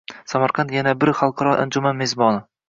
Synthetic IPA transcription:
samaɾqʰɑnt̪janabɪɾχɑlˠqʰɑɾɒʔa̰nd͡ʒʊmanmezbɒnɪ

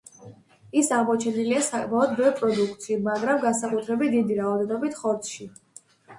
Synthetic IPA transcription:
isaʁmɔt͡ʃʰɛniliasakʼmaɔd̪̚bɛvɾpʼɾɔd̪ukʰt̪ʃimaɡɾamɡansakʼut̪ʰɾɛbit̪̚ʰd̪id̪iɾaɔd̪ɛnɔbit̪ʰχɔɾt̪sʰʃi

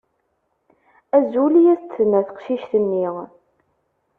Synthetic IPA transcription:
æzulijæst͡s̪ːənːæθə̥qʃiʃθənːi

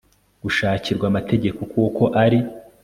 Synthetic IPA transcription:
ɡ̥uʃaːciɾɡwamatʰe̞ɟe̞ko̞kuːko̞ʔaɾi

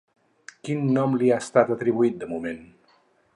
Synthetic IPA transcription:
kinːɔmliast̪at̪ət̪ɾiβuit̪̚d̪əmumẽn

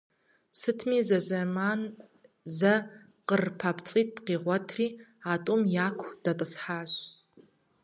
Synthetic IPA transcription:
sɨtʰmiːzɐzɐmaːn | zɐ | qərpʰaːpʰt͡sʼiːt̚qiːʁʷɔtʰriːaːtʷʼʊmjaːkʷʰd̥ɐtʼɨsħaːɕʼ

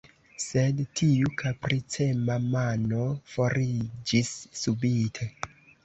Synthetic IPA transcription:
se̞dtʰiukʰapɾit͡se̞mamano̞fo̞ɾid͡ʒisːubitʰe̞

